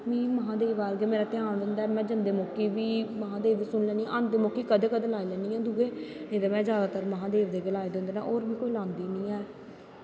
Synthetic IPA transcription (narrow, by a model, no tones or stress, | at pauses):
mĩːməɦãːd̪eːʋaːɾɡeːmeːɾaːt̪ɪãːɳd̪ɪnd̪aːɛːmɛ̃ːd͡ʒənd̪eːmoːkːiːʋiːməɦãːd̪eːʋd̪eːsʊnlɛːniːʔənd̪eːmoːkːiːkəd̪eːkəd̪eːlaːilɛːnĩːɛ̃ːd̪uːɡeːed̪eːmɛ̃ːd͡ʒjaːd̪aːt̪əɾməɦãːd̪eːʋd̪eːɡəlaːed̪ẽːnd̪eːna̰ːʔoːɾbiːkoːiːlãːnd̪iːnĩːɛː